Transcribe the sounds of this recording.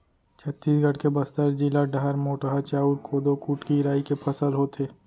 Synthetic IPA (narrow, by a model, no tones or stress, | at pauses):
t͡ʃʰət̪ːiːsɡʱəɽkebɐst̪əɾd͡ʒilaɖaɦəɾmoːʈəɦat͡ʃaːuɾkʰoːd̪okuːʈkiɾaːikepʰɐsəlɦoːt̪ʰeː